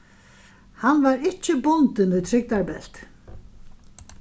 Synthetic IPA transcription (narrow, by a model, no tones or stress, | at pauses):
hanːvaɾɪt͡ɕɪbʊnt̪ɪnɪðt̪ʰɾɪk̚t̪aɹbɛl̥t̪